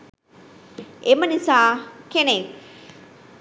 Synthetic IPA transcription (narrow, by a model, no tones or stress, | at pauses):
ʔemənisaːkenek